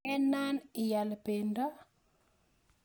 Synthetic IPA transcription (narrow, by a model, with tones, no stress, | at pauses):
ɛ˦nːa˦nɪ˨ja˨lpe˨ndɔ˦